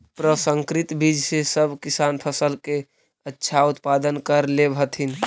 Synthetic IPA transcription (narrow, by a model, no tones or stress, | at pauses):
pɾəsəŋkɾit̪bid͡ʒʱsesəbʱkisanpʰəsəlke | ətːʃʰaut̪pad̪ənkəɾlebʱət̪ʰɦin